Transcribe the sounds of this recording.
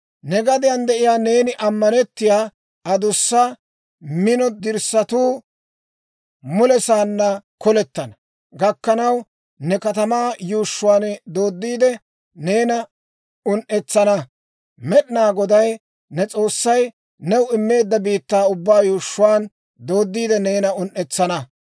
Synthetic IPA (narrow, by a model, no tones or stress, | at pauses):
nɛɡɐd̪ɪjɐnd̪ɛʔɪjaːne̞ːnɪʔɐmːɐnɛt̪ːɪjaː | ʔɐd̪ʊsːɐ | mɪnɔd̪ɪɾsːɐt̪uː | mʊlɛsaːnːɐkɔlɛt̪ːɐnɐ | ɡɐkːɐnɐw | nɛkɐt̪ɐmaːjuːʃːʊwaːnd̪o̞ːd̪ːiːd̪ɛ | ne̞ːnɐ | ʊnʔɛt͡sːɐnɐ | mɛɗɪnaːɡɔd̪ɐj | nɛt͡sʼo̞ːsːɐj | nɛwɪmːe̞ːd̪ːɐbiːt̪ːaːʊbːaːjuːʃːʊwaːn | d̪o̞ːd̪ːiːd̪ɛneːnɐʊnʔːɛt͡sːɐnɐ